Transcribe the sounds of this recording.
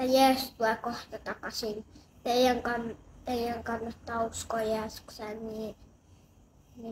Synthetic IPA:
æjæːst̪uɑkoht̪ɑt̪ɑkɑsint̪eijæŋkɑnt̪eijæŋkɑnːɑt̪ːɑuskojæːsksænniː | ni

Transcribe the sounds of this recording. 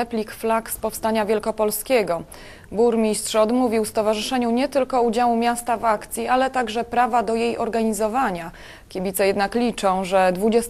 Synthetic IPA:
ɛplʲikflakspɔfst̪aɲavʲjɛlkɔpɔlskʲɛɡɔ | buɾmʲistʂɔd̪muvʲiwfst̪ɔvaʐɘʂɛɲuɲɛt̪ɘlkɔud͡ʑawumʲjast̪avakt̪sʲjialɛt̪aɡʐɛpɾavad̪ɔjejʔɔɾɡaɲizɔvaɲa | kʲibʲit̪sɛjɛd̪naklʲit͡ʂɔ̃w̃ʐɛd̪vud͡ʑɛs

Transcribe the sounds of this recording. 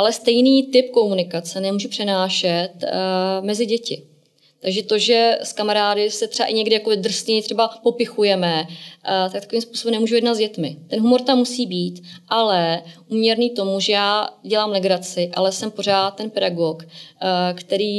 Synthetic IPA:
ʔalɛst̪ɛjniːt̪ɪpko̞munɪkat͡sɛnɛmuːʒupr̥ɛnaːʃɛt̪mɛzɪɟɛcɪ | t̪aɡʒɛt̪o̞ʒɛskamaɾaːdɪsɛt̪r̥ɛba̰ʔɪɲɛɡdɪjakovɪd̪r̩sɛɲt̪r̥ɛbapo̞pɪxujɛmɛt̪ak̚t̪ḁkoviːmspu̥ːso̞bɛmnɛmuːʒujɛdnat̪zɟɛt̪mɪt̪ɛnɦumo̞ɾt̪amːusiːbiːt̪ʔalɛʔuːmɲɛɾniːt̪o̞muʒɛjaːɟɛlaːmlɛɡɾat͡sɪʔa̰lɛsɛmpo̞r̝aːt̪̚t̪ːɛnpɛdaɡok | kt̪ɛɾiː

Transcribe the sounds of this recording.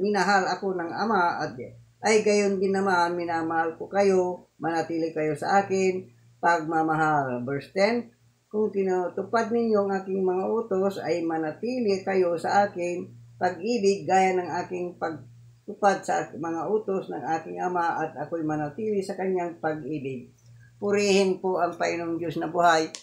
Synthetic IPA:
mɪnɐɦalɐko̞nɐŋɐ̰maʔɐt̪̚ | ʔɐjɡɐjond̪ɪnːɐmaanmɪnaːmɐhalkokɐjomɐnɐt̪iːlɪkɐjo̞sɐ̰ʔaːkɪn | pɐɡ̚mɐmɐɦalbɛɹst̪ɛn | kʊŋkɪnot̪ʊpad̪̚nɪɲjoɐŋʔaːkɪŋmɐŋaʔoːt̪osɐ̰jmɐnɐt̪iːlɪkɐjo̞sɐʔaːkɪŋpɐɡʔiːbɪɡ̚ːaːjanɐŋʔaːkɪŋpɐɡ̚ | t̪ʊpad̪̚sɐmɐŋaʔuːt̪osnɐŋʔaːkɪŋʔɐmaʔɐt̪ɐkojmɐnat̪iːlɪsɐkɐɲjaŋpɐɡʔiːbɪɡ̚ | pʊɾɛːhɪnpoʔɐŋpɐʔɪnoŋd̪josnɐbʊhaj

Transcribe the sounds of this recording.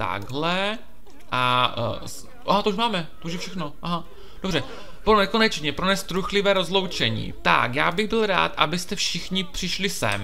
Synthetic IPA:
t̪a̰ɡɦlɛ | ʔa | ʔaɦat̪ouʃmaːmɛt̪ouʒjɛfʃɛxnoʔaɦa | d̥obrɛ | bonnɛkonɛt͡ʃɲɛpɾonɛst̪ɾuxlɪvɛːɾo̞zlo̞wt͡ʃɛɲḭːt̪a̰kja̰ːbɪɣbɪlɾa̰ːt̪ʔabɪst̪ɛfʃɪxɲɪpr̝̥ɪʃlɪsɛ̰m

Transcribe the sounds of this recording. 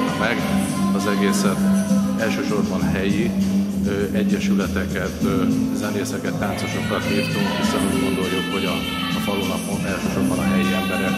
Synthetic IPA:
mɛɡ | ɒzɛɡeːsɛt̪ɛlʃøːʃo̞rbɒnɦɛji | øɛɟːɛʃylɛt̪ɛkɛt̪zɛneːsɛkɛt̪ːaːnso̞ʃo̞kːɒt̪ːiːrt̪uŋkhisonuːɟɡo̞nd̪o̞jːukho̞ɟɒ | fɒloːnɒpmonɛlʃøːʃo̞rbɒnɒɦɛjiɛmbɛɾɛ

